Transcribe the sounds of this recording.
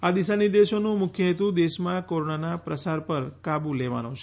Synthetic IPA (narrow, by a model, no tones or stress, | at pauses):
ad̪isanid̪eʃonũmʊkʰjəet̪ũd̪eʃmãkoɾonanapɾəsaɾpəɾkabuleʋa̰not͡ʃʰe̥